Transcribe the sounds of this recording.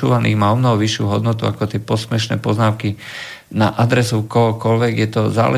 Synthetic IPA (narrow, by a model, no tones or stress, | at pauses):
ṵːʋanḭːɣmaɔmnɔɦɔʋiʃːṵːɦɔd̪nɔt̪uakɔt̪ɪɛpɔsmɛʃnɛ̰ːpɔznaːʊki | naʔad̪ɾɛsukɔɦɔkɔlʋɛɡjɛt̪ɔza̰ːlɛ